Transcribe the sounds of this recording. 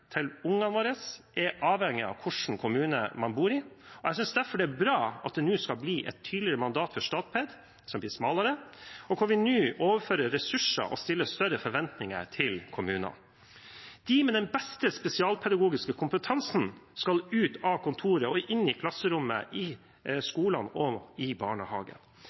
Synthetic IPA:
t̪ʰɪlʊŋːɑnʋoːɾəsʔɛʔɑːʋhɛŋːɪɑ̰ʋkʰʊʂɳ̩kʰʊmʉːnə̰mɑnbuːɾɪɔɛɪsʏnsd̪æɾfɔɖɛːbɾɑːɑ̰t̪̚d̪ɛnʉːskɑlbliːʔɛ̰t̪ʰːyːd̪lɪɾəmɑnd̪ɑːt̪fɔʂt̪ɑːt̪̚pʰɛd̪ | sɔmbliːsmɑːləɾəɔkʰʊɾʋɪnʉːʔoːʋəɾføːɾəɾɛsʉʂə̰ʔɔ̰st̪ɪlːəst̪œɾəfɔɾʋɛnt̪nɪŋə̰ɾt̪ʰɪlkʰʊmʉːnɑ̰ | d̪̥ɪmɛd̪ɛnbɛst̪əspɛsɪɑːlpʰɛd̪ɑɡuːɡɪskəkʰʊmpət̪ʰɑnsn̩skɑlʉːt̪ɑkʰʊnt̪ʰuːɾəɔʔɪnːɪkʰlɑsːəɾʊmːə̰ʔɪ | skuːlɑnɔɪbɑːɳəhɑːɡə̰

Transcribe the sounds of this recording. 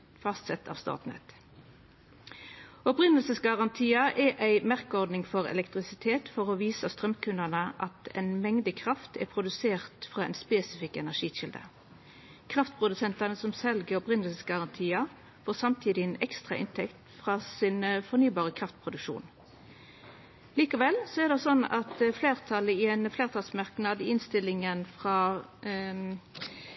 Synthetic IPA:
fɑst̪sɛt̪ʰɑ̰ːʋst̪ɑ̰ːt̪nɛ̰t̪ | ɔpʁɪnəlsəsɡɑʁɑnt̪ʰiːɑʔɛʔæɪmæʁkəɔʁd̪nɪŋfɔʁɛ̰lɛkt̪ʁɪsɪt̪ʰeːt̪fɔʁoʋiːsəst̪ʁœmkʰʉnənəʔɑt̪ɛ̰nmɛŋd̪əkʰʁɑft̪ʰɛ̰pʰʁʊd̪ʉseːʁt̪fʁɑːɛ̰nspeːsɪfɪkːɛnæʁʂiːʃɪld̪ə̰ | kʰʁɑft̪̚pʰʁʊd̪ʉsɛnt̪ɑnəsɔmsɛlɡəɔpʁɪnəlsɡɑʁɑnt̪ʰiːə | foːsɑmt̪ʰiːd̪ɪɛnɛkst̪ʁɑ̰ʔɪ̰nt̪ʰɛkt̪fʁɑːsɪnfɔʁnyːbɑːʁəkʰʁɑft̪̚pʰʁʊd̪ʉkʂṵːn | liːkəʋɛlsɔɛʁd̪ɛsɔnɑt̪fleːʁt̪ʰɑləɪɛnfleːʁt̪ʰɑlsmɑʁknɑːd̪ɪɪnst̪ɪlɪŋənfʁɑː

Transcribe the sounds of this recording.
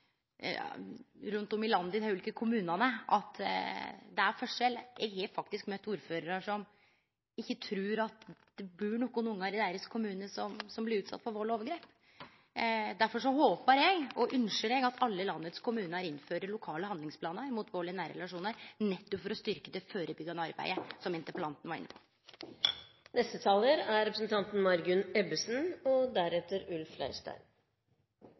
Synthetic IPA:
ɾʉnt̪ɔmɪlɑnd̪əɪd̪hæʉːliːkəkʰʊmʉːnɑnəʔɑt̪ | d̪ɛæɾfɔʂɛljɛ̰ɡhɛfɑkt̪ɪskmœt̪ːuːɾføːɾəɾəʂɔm | ɪçːət̪ʰɾʉːɾɑt̪d̪̥ɛbʉːɳɔkʊnʊŋːɑɾɪd̪æɪɾəskʰʊmʉːnəʂɔmsɔmblɪɾʉːt̪sɑ̰t̪ːfɔɾʋɔːɭoːʋəɾɡɾeːp | d̪æɾfɔʂɔɦoːpəɾjɛɡɔʔʉnʂəɾɛɡɑt̪ʰɑlːəlɑnːət̪skʰʊmʉːnəɾɪnføːɾəɾɭʊkʰɑːləhɑnd̪lɪŋspʰlɑːnəɾmut̪ʰʋoːɭɪnæːɾɛ̰lɑʂuːnəɾnɛt̪ːɔpfɔɾɔst̪ʏɾkəd̪ɛfoːɾəbʏɡɑnəɑɾbæ̰ɪəsɔmɪnt̪əpəlɑnt̪n̩ʋɑɾɪ̰nːəpʰɔ̥ | nɛst̪ət̪ʰɑːləɾæɾɛpɾəsn̩t̪ʰɑnt̪n̩mɑɾɡʉnɛbəsn̩ɔd̪æɾɛt̪əɾʉlflæ̰ɪʂʈæ̰ɪm

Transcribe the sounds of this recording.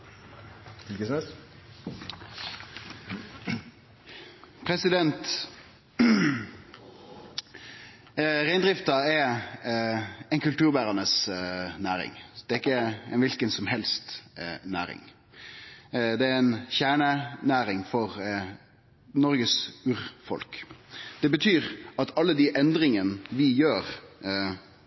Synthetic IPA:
ɪlkəsɛs | pʰɾɛsɪd̪ɛnt̪ | ʁæɪnd̪ʁɪft̪ɑɛ | ɛɪnkʉlt̪ʉːʁbæːʁɑnəsnæːɾɪ̰ŋd̪̥ɛɪkːəɛnʋɪlkənsɔmɦɛlst̪næ̰ːɾɪ̰ŋ | d̪ɛæɛɪnçæːɳənæːɾɪŋfɔʁ | nɔɾɡəsʉːɾfɔ̰lkd̪̥ɛbət̪ʰyːʁɑt̪ʰɑlːəd̪iʔɛnd̪ʁɪŋənəʋɪjøːʁ

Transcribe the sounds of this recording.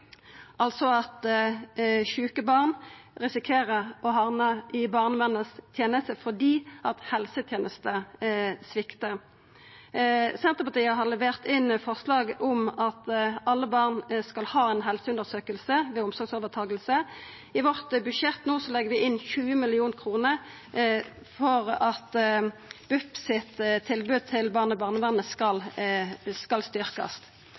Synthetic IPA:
ʔɑlsɔɑt̪ | çʉːkəbɑːʁnʁɪsɪkʰeːʁəʁɔɦɑʁnəʔɪbɑːʁnəʋɛnəst̪ʰjeːnəst̪əfɔʁd̪iːʔɑt̪hɛlsət̪ʰjeːnəst̪əsʋɪkt̪ə | sɛnt̪ʁəpɑt̪ʰiːəɦɑʁlɛʋeːʁt̪ɪnfɔʁslɑːɡɔmɑt̪ɑlːəbɑːʁnskɑlhɑːɛɪnɦɛlsəʉnd̪əʁsøːkəlsəʋɛʊmsɔɾɡsɔːʋəʁt̪ʰɑːɡəlsə | ɪʋɔʁt̪bʉʃɛt̪noːsɔlɛɡːəʁʋɪʔɪnçʉːəmɪlɪuːnkʰʁuːnəʁ | fɔʁɑt̪ | b̥ʉpsɪt̪t̪ʰːɪlbʉd̪̚t̪ʰɪlbɑːʁnəbɑːʁnəʋɑnːəskɑl | skɑlst̪ʏʁkɑ̰st̪

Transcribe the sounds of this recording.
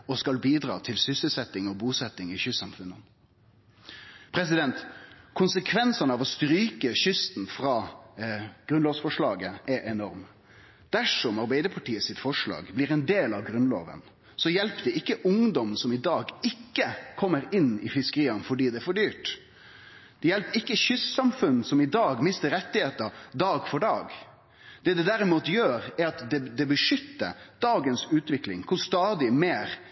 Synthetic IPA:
ɔskɑlbiːd̪ɾɑ̰ːt̪ʰɪlsʏsəlsɛt̪ːɪŋɔbuːsɛt̪ːɪŋɪçʏsːɑmfʉnːən | pʰɾɛs̬ɪd̪ɛnt̪kʰʊnsəkʰʋɛnsɑnəɑʋɔst̪ɾyːkəɕʏst̪n̩fɾɑː | ɡ̥ɾʉnloːʋsfɔʂɭɑːɡəɛʔɛnɔɾm | d̪̥æʂɔmɑɾbæɪd̪əpʰɑʈiːəsɪt̪fɔʂɭɑ̰ːɡblɪɾɛnd̪eːlɑʋɡɾʉnlo̰ːʋə̰n | sɔjɛlpd̪ɛɪkːəʔʊŋd̪ɔmsɔmɪd̪ɑːɡɪkːəkʰɔmːəɾɪnɪ̰fɪskəɾiːɑnfɔɖiːd̪ɛæɾfɔɖyːʈ | d̪̥ɛjɛlpɪkːəçʏsːɑmfʉnsɔmɪd̪ɑːɡmɪst̪əɾɛt̪ːɪheːt̪ɑd̪ɑːɡfɔɖɑ̰ːɡ | d̪̥ɛd̪ɛd̪æɾɪmuːt̪jøːɾæɾɑt̪d̪ɛd̪ɛbəʂʏt̪ːə̰d̪̥ɑːɡənsʉːt̪ʋɪklɪ̰ŋkʰʊst̪ɑːd̪ɪmeːɾ

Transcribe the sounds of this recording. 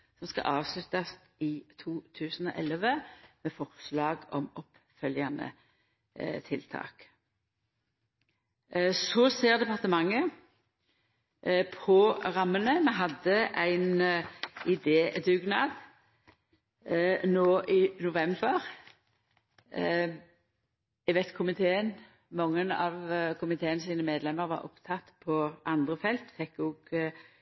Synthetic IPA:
sɔmskɑ̰ʔɑːʋslʉt̪ɑs | ɪt̪ʰuːt̪ʰʉːsən̩ɔ̰ːʔɛləʋəmeːfɔʁslɑːɡɔ̰mɔp | fœljɑnə̰ | t̪ʰɪlt̪ʰɑ̰ːk | sɔseːʁd̪ɛpɑʁt̪əmɑŋːə | pʰɔʁɑmːənəmɛɦɑd̪ːəʔæɪn | ɪd̪eːd̪ʉɡnɑːd̪ | noːʔɪnʊʋɛmbəʁ | ɛʋɛt̪kʰʊmɪt̪ʰeːən | mɔŋːənɑ̰ʋkʰʊmɪt̪ʰeːənsiːnəmeːd̪lɛmːəʁʋɑ̰ɾɔ̰pt̪ʰɑt̪ːpʰɔʔɑnd̪ʁəfɛlt̪fɛkːɔːɡ

